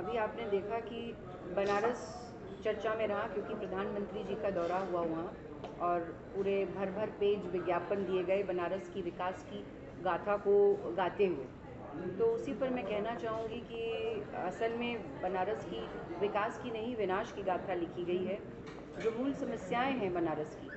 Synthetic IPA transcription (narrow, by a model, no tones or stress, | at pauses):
ɐbʱiaːpned̪eːkʰaki | bɐnaːɾəs | t͡ʃɐɾt͡ʃamẽɾɐɦakjõːkipɾɐd̪ʱaːnmə̃nt̪ɾid͡ʒiːkad̪ɔːɾaɦuaɦua | ɔːɾpuːɾebʱɐɾbʱəɾpeːd͡ʒʋɪɡjaːpənd̪ieɡɐebɐnaːɾəskiʋɪkaːski | ɡaːt̪ʰakoɡaːt̪eɦuḛː | t̪oʊsipɐɾmɛ̃kɛɦnat͡ʃaːɦũŋɡikiɐsəlmẽ | bɐnaːɾəskiʋɪkaːskinɐɦĩʋɪnaːʃkiɡaːt̪ʰalɪkʰiɡɐiɦɛ | d͡ʒoːmuːlsɐməsjaːẽɦɛ̃bɐnaːɾəskiː